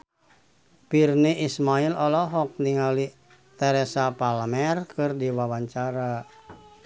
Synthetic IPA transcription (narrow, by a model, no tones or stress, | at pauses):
pirniʔismailɔlɔɦɔk̚niŋali | t̪ɛɾɛsapalmɛrkɨrdiwawaɲt͡ʃaɾa